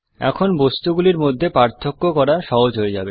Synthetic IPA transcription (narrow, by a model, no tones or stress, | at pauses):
ɛ̰kʰonbost̪uɡuliɾmod̪ʱːepaɾt̪ʰːokːokɔɾaʃɔɦod͡ʑɦoed͡ʑabe